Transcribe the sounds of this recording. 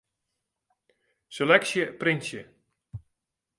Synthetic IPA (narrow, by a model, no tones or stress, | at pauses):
selɛksjəprɪnsjə